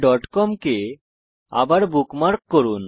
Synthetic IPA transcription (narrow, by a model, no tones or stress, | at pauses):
ɖɔʈkɔmke | a̰baɾbukmaɾkːɔɾun